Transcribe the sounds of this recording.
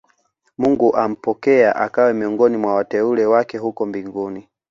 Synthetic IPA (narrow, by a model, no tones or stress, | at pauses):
muŋɡuʔam̩pɔkɛaʔakawɛmiɔŋɡɔnimwawatɛulɛwakɛɦukɔmbiŋɡuni